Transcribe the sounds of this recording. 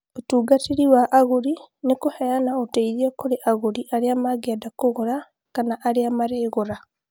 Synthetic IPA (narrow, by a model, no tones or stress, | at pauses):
otuːɡatiɾiwaʔaɣoɾinekohɛjanaoteiɾiɛkoɾeʔaɣoɾiʔaɾeamaɡeadakoɣoɾa | kanaʔaɾeamaɾeːɣoɾa